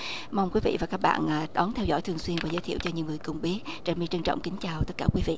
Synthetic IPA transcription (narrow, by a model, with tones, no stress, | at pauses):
ma˧wŋ͡mkwi˨˦vḭ˧˨vaː˨˩kaː˦˥k̚ɓa̰ː˧˨nʔaː˨˩ɗɔ˨˦nt̪ʰɛ˧wzɔ̰˧˩jt̪ʰɨ˨˩əŋswi˧nvaː˨˩zə˨˦t̪ʰḭ˧˨əwt͡ɕɔ˧ɲɨ̰˧˥wŋɨ˨˩əjkʊ˨˩ŋ͡mɓi˦˥ət̚t͡ɕaː˧˩nmi˧t͡ɕə˧ŋt͡ɕɔ̰˧˨wŋ͡mkï˨˦ŋ̟t͡ɕaː˨˩wt̪ə˦˥t̚kaː˧˩kwi˨˦vḭ˧˨